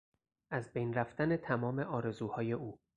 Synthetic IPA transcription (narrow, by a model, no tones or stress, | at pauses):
ʔæzbejnræft̪æne̞t̪ʰæmɒːme̞ʔɒːɾe̞zuːhɒːje̞ʔuː